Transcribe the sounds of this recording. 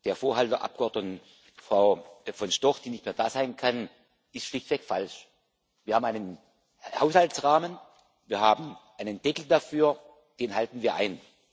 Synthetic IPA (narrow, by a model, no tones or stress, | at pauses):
d̥eːɐfoːɐhaltɐʔa̰p̚ɡ̥əɔɐdnət | fʁ̥aʊfɔnʃtɔχd̥iːnɪçtmeːɐdaːzaɪnkʰan | ɪstʃlɪçtv̥ɛkfa̰lʃ | viːɐhaːm̩aɪnən | haʊshaltsʁaːmən | viːɐhaːbm̩ʔaɪnənd̥ɛkl̩dafyːɐ | d̥eːnɦaltn̩viːɐʔa̰ɪn